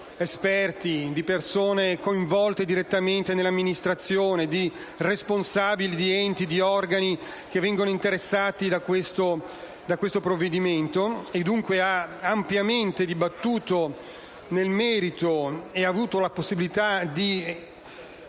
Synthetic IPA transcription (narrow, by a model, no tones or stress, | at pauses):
espɛrt̪id̪ipersoːnekoiɱvɔlt̪ed̪iɾet̪ːament̪enelːamːinist̪ɾat̪sːjoːned̪i | responsaːbilid̪iɛnt̪id̪iɔrɡani | kevːɛŋɡonoint̪eɾesːaːt̪id̪akwest̪o | d̪akwest̪opɾovːed̪iment̪oed̪ːuŋkweaampjament̪ed̪ibat̪ːuːt̪o | nelmɛːɾit̪oeavuːt̪olaposːibilit̪ad̪i